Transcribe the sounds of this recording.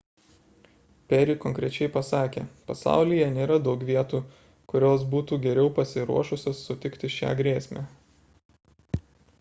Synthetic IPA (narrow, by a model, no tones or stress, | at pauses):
pʲɛɾʲikɔŋʲkɾʲɛt͡ʃʲɛɪpɐsɑːkʲḛːpɐsɑ̰ˑʊlʲijɛnʲeːɾɐd̪ɒʊkʋʲiɛt̪uː | kʊɾʲoːs̬buːt̪uːɡʲɛɾʲɛʊpɐsʲɪɾṵɔʃʊsʲoːsːʊt̪ʲɪkt̪ʲɪʃʲæ̰ːɡɾʲeːsʲmʲæ̰ː